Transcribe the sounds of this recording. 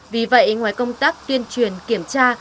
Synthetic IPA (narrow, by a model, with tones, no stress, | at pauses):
vi˨˩və̰˧˨jʔŋwaː˨˦jkə˧wŋ͡mt̪aː˦˥k̚t̪i˧ənt͡ɕwi˨˩ənki˧˩əmt͡ɕaː˧